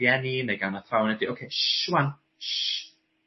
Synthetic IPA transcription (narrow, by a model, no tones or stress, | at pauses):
jɛnineɡanaθrawnɛdiowkʰeʃwan | ʃ